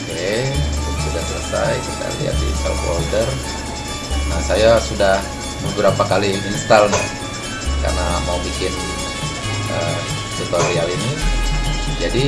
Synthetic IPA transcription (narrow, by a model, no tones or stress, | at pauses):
kedaŋsudasələ̰sa̰jkit̪a̰lḭa̰t̪̚dḭst̪a̰ko̰ldər | nahsajasudah | bəbəɾapakaliinst̪alma̰ | ka̰rnamaumikɪn | ʔə̰ | sət̪arialini | d͡ʒadi